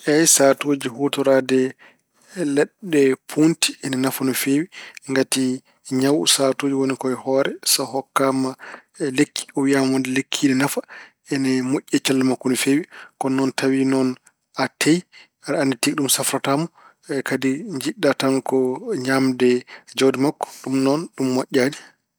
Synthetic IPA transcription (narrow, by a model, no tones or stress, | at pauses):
ʔɛjsatoːd͡ʒihotɔɾadɛ | lɛɗːɛpʰunti̥ɛnɛnafanɔfewiŋɡati | ɲawusatoːd͡ʒiwonikɔɛhɔɾɛsɔhɔkːama | lekːi̥ɔwiamaɔndɛlekʰːiːɗɛnafa | ɛnɛmoʔʲːɛt͡ʃalːamakːɔnɔfewikɔnɔntawinɔn | ʔatʰːej | aɾandɛtikɗumsafɾatamu | kadiɲd͡ʒiɗːatamkɔɲamdɛd͡ʒodimakːɔ̥ɗumnɔnɗumːoʔʲːadi